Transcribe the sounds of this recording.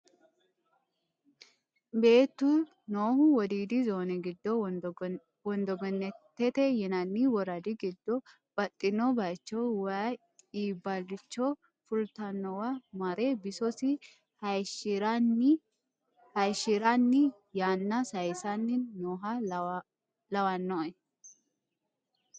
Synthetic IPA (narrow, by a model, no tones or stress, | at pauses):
be̞ːt̪ːu | noːhʊwɔd̪iːd̪ɪzoːnɛɡɪd̪ːɔ | wɔnd̪ɔɡɛnːɛt̪ːɛt̪ɛjɛnɐnːiwɔɾɐd̪ɪɡɪd̪ːɔ | b̥ɐt̪ʼːɪnɔbɐt͡ʃːɔwa | iːbːɐlːɪt͡ʃːɔ | fʊlt̪ɐnːɔwɐmɐɾebɪsɔsɪ | hɐjɾn | hɐjʃɪɾanːɪ | jaːnːɐsɐjsɐnːɪːoːɦɐ | lɐwɐnːɔɛ